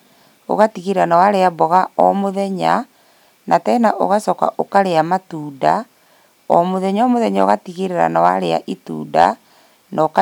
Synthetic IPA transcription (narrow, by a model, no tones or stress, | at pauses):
o̰ɣatiɣeɾeɾanawaɾeabɔɣaɔmoðɛɲa | natɛnaʔo̰ɣasɔka̰ʔokaɾeamatuːda | ɔmoðɛɲaɔmoðɛɲao̰ɣatiɣeɾeɾa̰nawaɾea̰ʔitṵːda̰ | nɔka